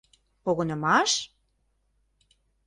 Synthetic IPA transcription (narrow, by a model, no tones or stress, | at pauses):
poɣonə̆mɑʃ